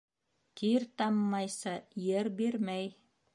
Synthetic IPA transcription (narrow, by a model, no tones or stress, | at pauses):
k̪iɾt̪ɑmːɑjsɑjɘɾbiɾmæj